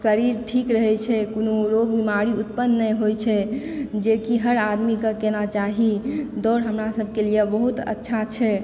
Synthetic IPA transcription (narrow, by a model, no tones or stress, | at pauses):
səɾiɾʈʰikɾəɦɛt͡ʃʰɛkonoɾoɡ̚bimaɾiut̪̚pənːəɦojt͡ʃʰɛd͡ʒekiɦəɾad̪mikəkenat͡ʃaɦid̪ɔɾɦəmɾasəbʱkelijebəɦut̪ə̰tːʃʰat͡ʃʰɛ